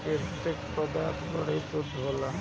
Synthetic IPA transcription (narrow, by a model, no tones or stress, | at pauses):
ket̪ekpəd̪aːt̪bəɽ̤et̪od̪ʱola